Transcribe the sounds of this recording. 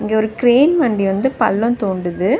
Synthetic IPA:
ɪŋɡeːɔɾɯkɾeːnʋɐɳɖiʋɐnd̪ɯpɐlːɔ̃t̪oːɳɖɯðɯ

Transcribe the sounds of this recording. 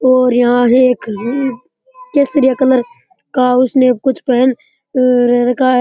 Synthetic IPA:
ɔːɾjɐɦãɦeeːk | keːsɾijakələɾ | kaʊsnekʊt͡ʃʰpɛɦn | ɾɾɐkʰaɦɛ

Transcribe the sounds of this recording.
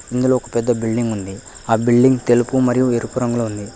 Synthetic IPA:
ind̪uloːkɐpɛd̪ːɐbiɭɖiŋɡund̪iaːbilɖiŋɡt̪elupumɐɾijueɾupuɾɐŋɡulound̪i

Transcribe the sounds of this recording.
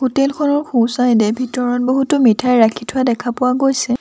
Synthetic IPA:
hutelkʰɔnɔɹxʰusajdɛbʱitɔɹɔnboɦutɔmitʰajɹakʰitʰʊadɛkʰapʊwaɡojsɛ

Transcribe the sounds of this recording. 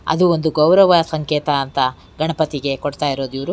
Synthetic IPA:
ɐ̰d̪uond̪uɡɐwɾɐʋɐsɐŋkeːt̪ɐːnt̪ɐ | ɡɐɳɐpɐt̪iɡe̞koɽt̪aːjiɾoːd̪iʋɐɾu

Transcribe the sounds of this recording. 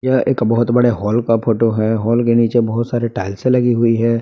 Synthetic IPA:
jaʔeːkbɐɦʊt̪bɐɽeɦɔːlkapʰoːʈoɦɛːɦɔːlkeniːt͡ʃebɐɦʊt̪saːɾeʈaːɪlsẽlɐɡiɦʊiɦɛː

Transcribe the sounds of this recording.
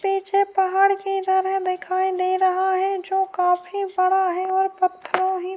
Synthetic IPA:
piːt͡ʃʰepaɦaːɽkit̪əɾɛɦd̪ɪkʰaːid̪eːɾɐɦaɦɛd͡ʒoːkaːfʰibəɽaɦɛɔːɾpət̪ʰːəɾõɦi

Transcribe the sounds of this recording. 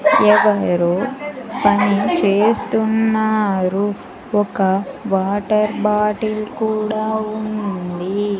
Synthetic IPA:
ɛʋɐɾopɐnit͡ʃeːst̪unːaːɾu | ɔkɐʋaːʈɐɾbaːʈilkuːɽaːund̪i

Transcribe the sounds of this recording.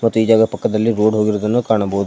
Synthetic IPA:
mɐt̪ːuiːd͡ʒaːɡɐpɐkːɐd̪ɐlːiɾoːɖɦo̞ːɡiɾoːd̪ɐnːukaːɳɐbɐud̪u

